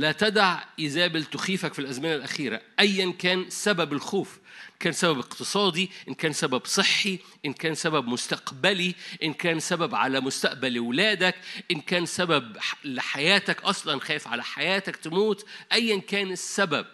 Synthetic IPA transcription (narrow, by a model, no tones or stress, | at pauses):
læt̪æd̪aʕjɪzæːbɪlt̪ʊxiːfækfilʔæzmɪnælʔæxiːɾæ̰ʔæjːænkæːnsæbæbɪlxuːfʔʔkæːnsæbæbeqt̪ɨsˤɑːd̪iʔɪnkæːnsæbæbsˤɨħːiʔɪnkæːnsæbæbmʊst̪ɑqbæliʔɪnkæːnsæbæbʕa̰læmʊst̪aʔbælwlæːd̪ækʔɪnkæːnsæbæbħlɪħajæːt̪ækʔɑsˤlɑnxæːjfʕa̰læħajæːt̪ækt̪ɪmuːt̪ʔæjːænkæːnɪsːæbæb̚